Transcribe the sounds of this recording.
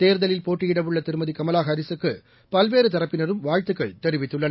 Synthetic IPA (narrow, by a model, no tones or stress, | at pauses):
t̪eːɾðɐlɪlpoːʈːɪjɪɽɐʋɯɭːɐt̪ɪɾɯmɐðikɐmɐlaːɣɐɐɾɪsɯkːɯ | pɐlʋeːɾɯt̪ɐɾɐpːɪnɐɾɯmʋaːɻt̪ɯkːɐɪt̪ɛɾɪʋɪt̪ːɯɭːɐn